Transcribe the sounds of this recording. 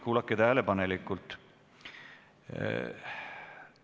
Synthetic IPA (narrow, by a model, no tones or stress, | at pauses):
kuːlɑkːˑet̪æːlepɑnelikːˑult̪ˑ